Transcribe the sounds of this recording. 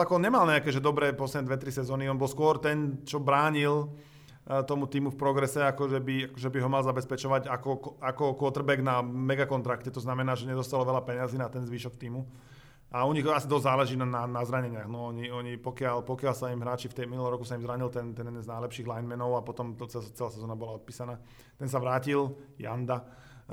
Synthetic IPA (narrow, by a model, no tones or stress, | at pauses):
akɔɔnɲɛmalɲɛakɛːʒɛd̪ɔbɾɛːpɔsɛmɛd̪ʋɛt̪ɾisɛzɔːniɔnbɔlskʊɔɾt̪ɛnt͡ʃɔbɾaːɲil | t̪ɔmut̪iːmufpɾɔɡɾɛsɛakɔʒɛbiakɔʒɛbiɦɔmalzabɛspɛt͡ʃɔʋaɟakɔakɔkʊɔt̪r̩bɛɡnamɛɡakɔnt̪ɾakcɛt̪ɔznamɛnaːʒɛɲɛd̪ɔst̪alɔʋɛlapɛɲɪaziːnat̪ɛnzʋiːʃɔk̚t̪iːmu | ʔaɔɲiɣasid̪ɔzzaːlɛʒiːnananazɾaɲɛɲɪaɣnɔɔɲiɔɲipɔkɪalpɔkɪalsaimɦɾaːt͡ʃift̪ɛjminulˠɔmɾɔkusaimzɾaɲilt̪ɛnt̪ɛnnznajlɛpʃiːɣlajnmɛnɔʊapɔt̪ɔmt̪ɔt͡sɛt͡sɛlaːsɛzɔnabɔlaɔt̪̚piːsanaː | t̪ɛnsaʋɾaːcilja̰nd̪a